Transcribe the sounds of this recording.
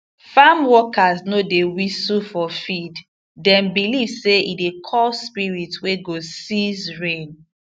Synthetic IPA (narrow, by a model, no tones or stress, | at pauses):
famwɔkaznodewisufɔfid | dɛ̃nbilivseidekʰɔlspiɹitweɡosizɹẽn